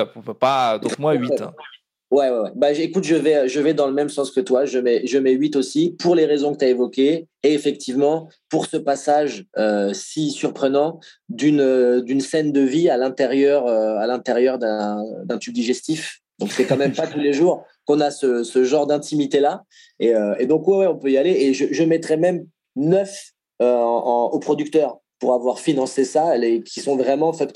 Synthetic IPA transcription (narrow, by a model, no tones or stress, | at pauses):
pad̪õmwaɥĩ | wɛwɛwɛbaʒekut̪ʒəvɛøʒəvɛd̪ɑ̃ləmɛmsɑ̃skət̪waʒəmɛʒəmɛɥit̪osipuʁleʁezɔ̃kət̪yaevɔkʲeːfɛk̚t̪ivmɑ̃puʁsəpasaʒøsisyʁpχənɑ̃d̪ynød̪ynsɛnd̪əvialɛ̃t̪eʁjœʁøalɛ̃t̪eʁjœʁd̪ɛ̃d̪ɛ̃t̪yb̚d̪iʒɛst̪if | d̪ɔ̃ksɛkɑ̃mɛmpat̪uleʒuʁ | kɔ̃nasəsəʒɑ̃ʁd̪ɛ̃t̪imit̪ela | eøed̪ɔ̃kwɛwɛɔ̃pøijaleeʒəʒəmɛt̪χɛmɛm | nœf | ø̃opχɔd̪ykt̪œʁ | puʁavwaʁfinɑ̃sesaekʲisɔ̃vʁɛmɑ̃fɛt̪